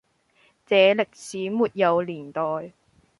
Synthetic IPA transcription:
t͡sɛː˨˧lɪ˨k̚siː˨˥muː˨t̚jɐ˨˧wliː˨˩nt̪ɔː˨j

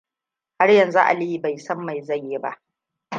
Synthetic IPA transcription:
ha˦rjɐ˨nzu˦ʔa̰˨li˦i˦ba˨jsɐ˦mːa˨jza˦˨jːe˦ba˦ʔ

